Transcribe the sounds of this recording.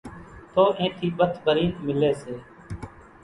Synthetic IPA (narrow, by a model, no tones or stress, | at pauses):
t̪ʰoːʔẽːt̪ʰiːɓət̪ʰbʱəɾiːnmɪleːseː